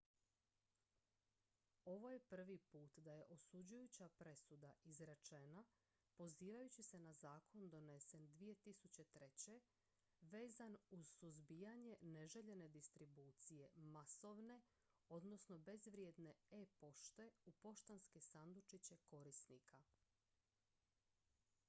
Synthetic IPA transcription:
o̞ʋo̞jepr̩ʋipuːt̪d̪aje̞ʔo̞sud͡ʑujut͡ɕapɾe̞sud̪aizɾat͡ʃena | po̞ziːʋajut͡ɕise̞nazaːkʰo̞nd̪o̞ne̞se̞nd̪ʋije̞t̪isut͡ɕe̞t̪ɾet͡ɕe̞ | ʋe̞ːzanuz̥suzbijaɲe̞ne̞ʒeʎe̞ne̞d̪ist̪ɾibuːt̪sije̞maso̞ʋne̞ | o̞d̪no̞sno̞be̞zʋɾje̞d̪ne̞epo̞ʃt̪e̞upo̞ʃt̪anske̞sand̪ut͡ʃit͡ɕe̞ko̞ɾisnikʰa

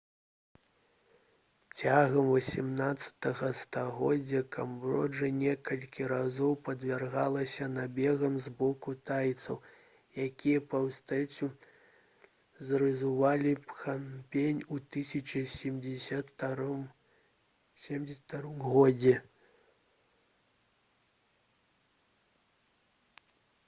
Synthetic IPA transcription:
t͡sʲaɣɐmvɐsʲimnat̪sːɐ̥t̪ɐɣɐst̪aɣɔd͡zʲːɐkʰambrɔʐɨnʲɛkɐlʲkʲiɾazɔwpɐd̪vʲarɣalˠɐsʲɐnabʲɛɣɐmzbɔkut̪ajt̪sɐw | jakʲʰijɐpɐwst̪ɛt͡sʲu | zɾɨzuvalʲipxampʲenʲut̪ɨsʲɐt͡ʃɐsʲɛmʲɐtm | sʲɛmʲd͡zʲɛsʲt̪aɾɨmɣɔd͡zʲɛ

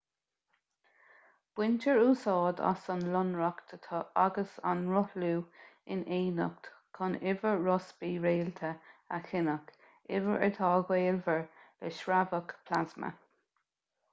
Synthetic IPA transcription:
b̥wɪntəɹuːsɑːd̪a̰sənlʊnɹəkt̪ʰət̪ʰɔʔaɡəsa̰nɹʊhluːɪ̰neːnə̰k̚tkʰɔnɪvəɹɹɔsbiːɹeːlt̪ʰəaxɪnək | ɪvəɹʔə̰t̪ʰɑːɡweːlvəɹlɛʃɹavəkpʰlazmə̰

